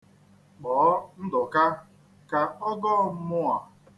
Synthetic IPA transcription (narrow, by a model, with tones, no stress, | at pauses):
ɡ͡bɔː˨˦n̩˦dʊ˨ka˦ | ka˨ɔ˦ɡɔː˦˨˦mʊ˦a˨